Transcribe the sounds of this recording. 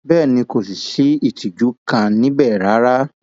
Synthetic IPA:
bɛː˦˨nĩ˧ko˨si˨ʃi˨˦i˦˨tʰi˨d͡ʒu˨˦kã˧nĩ˦bɛ˦˨ɾa˨˦ɾa˦

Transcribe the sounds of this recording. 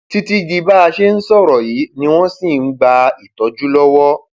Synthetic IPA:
ti˧ti˧d͡ʒi˧ba˦a˧ʃe˦n̩˦sɔ˦˨ɾɔ˨ji˨˦nĩ˧w̃ɔ̃˦sĩ˦˨n̩˦ɡ͡ba˧i˨tɔ˨˦d͡ʒu˦lɔ˦wɔ˦

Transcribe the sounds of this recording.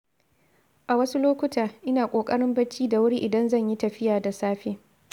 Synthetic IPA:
ʔa˨wɐ˦su˦loː˦kʷʊ˦taː˨ʔɪ˦naː˨kʷʼoː˨kʼɐ˦ɽɪ˦mbɐ˦t͡ʃːiː˦da˨wʊ˦ɽi˦ʔɪ˨dɐ˦nzɐ˦˨ɲji˦tɐ˨ɸɪ˦jaː˨da˨saː˦ɸeː˦

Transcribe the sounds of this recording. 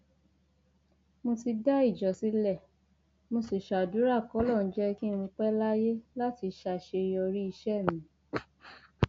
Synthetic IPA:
mo˧ti˧da˦i˦˨d͡ʒɔ˨si˨˦lɛ˦˨ | mo˧se˨ʃa˨du˨˦ɾa˦˨kɔ˨˦lɔ˦˨n̩˦d͡ʒɛ˦ki˦mũ˧k͡pɛ˦la˦je˦la˦ti˧ʃa˧˨ʃe˧ɔ˧ɾi˦i˧ʃɛ˦˨mĩ˨˦

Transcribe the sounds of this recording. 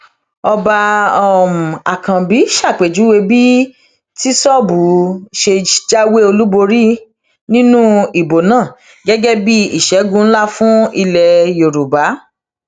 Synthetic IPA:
ɔ˧ba˧ɔ˨mu˨a̰˨kã˨bi˨˦ʃa˦˨k͡pe˨d͡ʒu˨˦we˧bi˦ | ti˦sɔ˦˨bu˨˦ʃe˧˦d͡ʒa˦we˦o˧lu˦bo˧ɾi˦ | nĩ˦nũ˦i˨bo˨nãː˦˨ | ɡɛ˦ɡɛ˦bi˦i˦˨ʃɛ˨˦ɡũ˦˧n̩˦la˦fũ˦i˧lɛ˧jo˨ɾu˨ba˨˦

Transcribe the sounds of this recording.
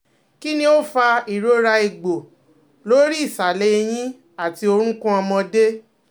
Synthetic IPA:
ki˦nĩ˦o˦fa˧i˨ɾo˦ɾa˧i˨ɡ͡bo˨ | lo˦ɾi˦i˦˨sa˨le˦˧j̃ĩ˦ | a˦˨ti˧o˧ɾ̃ũ˦kũ˦ɔ˧mɔ̃˧de˦

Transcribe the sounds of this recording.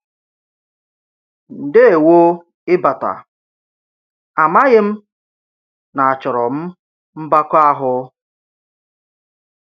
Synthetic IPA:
n̩˨dɪ˦e˨wo˦ | ɪ˦ba˨ta̰˨ | a˨ma˦ɣɪ˦m̩˦ | na˨a˨t͡ʃɔ˨ɾɔ˨m̩˦ | m̩˦ba˦kʷa˦ɦʊ˦

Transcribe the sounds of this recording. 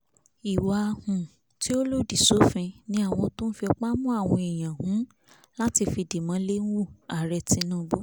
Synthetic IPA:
i˨wa˨˧hũ˨ | ti˦o˦lo˦˨di˨so˨˦fĩ˧nĩ˦a˦˨w̃ɔ̃˧tõ˦n̩˦fi˧ɔ˧k͡pa˦mũ˦a˦˨w̃ɔ̃˧i˨j̃ã˨hũ˨˦ | la˦ti˧fi˧di˨mã˨˦le˦n˦wu˦˨a˨ɾɛ˧tĩ˧˦nũ˦˧bo˦

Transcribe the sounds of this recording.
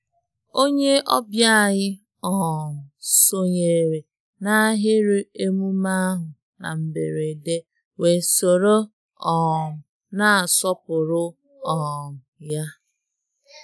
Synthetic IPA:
o˦ɲe˦ʔɔ̰˦bja˦˨ɣɪ˦ | ɔ˨m̩˨so˦ɲe˨ɾe˨ | na˦ɦɪ˦ɾʊ˦e˦mu˦ma˦ɦʊ˨ | na̰˨m̩˨bḛ˨ɾe˨de˦ | we˨so˨ɾo˦ | ɔ˨mʊ˨ | na˦a˨sɔ˦pʊ˨ɾʊ˦ | ɔ˨ŋ̩˨ja˦

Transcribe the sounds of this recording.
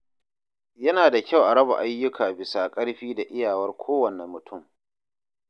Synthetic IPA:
jɐ˦naː˨da˨kʲa˦˨wʔa˨ɽɐ˦ba̰˨ʔa˦jːʊ˦kʰaː˨bɪ˨sa˨kʼɐ˦ɽɸiː˦da˨ʔɪ˦jaː˨wɐ˦rkʷʰoː˦wɐ˨nɛ˨mːʊ˨tʰʊ˦˨m

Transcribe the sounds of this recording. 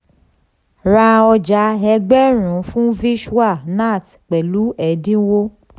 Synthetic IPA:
ɾa˧ɔ˧d͡ʒa˧˦ɦɛ˧ɡ͡bɛ˦ɾ̃ũ˨˦fũ˦vi˦ʃu˦a˦˨na˦˨t | k͡pɛ˨lu˨˦ɛ˨dĩ˦wo˦

